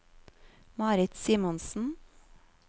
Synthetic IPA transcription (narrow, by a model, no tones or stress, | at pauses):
mɑːɾɪt̪siːmɔnsn̩